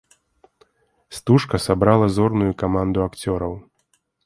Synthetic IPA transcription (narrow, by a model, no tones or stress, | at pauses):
st̪uʂkɐsabɾalˠɐzɔrnujukamand̪ʊakt͡sʲɔɾɐw